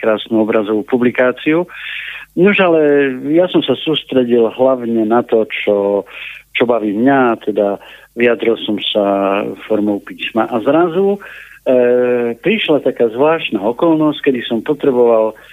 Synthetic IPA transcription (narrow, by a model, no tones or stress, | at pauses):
kɾaːsnuɔbɾazɔʋuːpublikaːt͡siu | nuʒalɛjasɔmsasuːst̪ɾɛɟilɦlaʊɲɛnat̪ɔt͡ʃɔ | t͡ʃɔbaʋiːmɲat̪ʰɛd̪a | ʋiad̪ɾilsɔmsafɔɾmɔʊpiːsmaʔazɾazu | pɾiʃlat̪akaːzʋlaːʃt̪naːɔkɔlnɔsckɛd̪isɔmpɔt̪ɾɛbɔʋal